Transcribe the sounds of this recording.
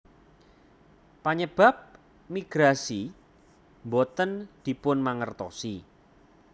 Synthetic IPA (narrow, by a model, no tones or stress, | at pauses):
paɲəb̥a̤p̚ | miɡ̥ɾasi | mbɔt̪ənd̪̥i̤pʊnmaŋərt̪ɔ̰si